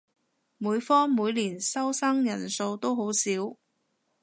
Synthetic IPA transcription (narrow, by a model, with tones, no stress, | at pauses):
muː˨˧jfɔː˥muː˨˧jliː˨˩nsɐ˥wsɐ˥ŋjɐ˨˩nso˧wt̪o˥wɦo˨˥wsiː˨˥w